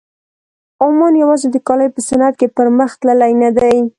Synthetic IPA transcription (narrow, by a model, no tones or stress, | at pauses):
omɑnjawɑzed̪əkɑləjpəsanat̪̚kepəɾməxt̪ləlajnad̪aj